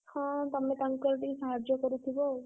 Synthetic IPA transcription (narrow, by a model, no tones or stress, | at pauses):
hɔ̃t̪amɛt̪aŋkɔɾʈisaɦad͡ʒɔkɔɾut̪ʰibɔ